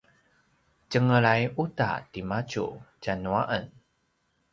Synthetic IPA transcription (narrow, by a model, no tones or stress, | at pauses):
t͡ɕəŋəɭajuta̰timat͡ɕṵt͡ɕanuaʔən